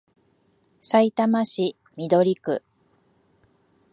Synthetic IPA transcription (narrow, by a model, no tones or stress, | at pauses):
sait̪amaɕi | mʲid̪o̞ɾʲikɯ̟